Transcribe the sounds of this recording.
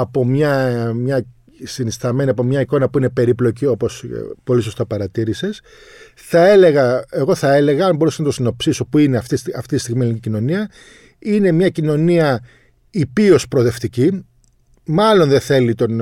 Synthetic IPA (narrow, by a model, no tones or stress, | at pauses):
ɐpo̞mɲɐmɲɐ | sinist̪ɐme̞niɐpomɲɐiko̞nɐpuine̞pe̞ɾiplo̞cio̞po̞spo̞liso̞st̪ɐpɐɾɐt̪iɾise̞s | θɐe̞le̞ɣɐe̞ɣo̞θɐe̞le̞ɣɐɐmbo̞ɾusɐznɐt̪o̞sino̞psiso̞puineɐft̪sɐft̪it̪ist̪iɣmieliicino̞niɐ | ine̞mɲɐcino̞niɐ | ipio̞spɾoðe̞ft̪ici | mɐlo̞nðeθe̞lit̪o̞n